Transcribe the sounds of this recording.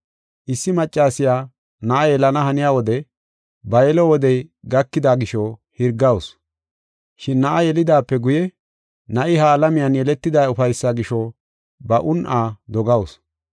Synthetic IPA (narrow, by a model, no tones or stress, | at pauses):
ʔɪsːɪmɐt͡ʃʼːaːsɪjaː | nɐʔɐjɛlɐnɐhɐnɪjaːwɔd̪ɛ | bɐjlɔwɔd̪ɛjɡɐkːɪd̪aːɡɪʃɔhɪɾɡːɐws | ʃɪnːɐʔɐjɛlɪd̪aːpːɛɡʊjɛ | nɐʔɪhɐːlɐmɪjɐnjɛlɛt̪ːɪd̪aːʊfɐjsːaɡɪʃɔ | bɐʔʊnʔaːd̪ɔɡɐws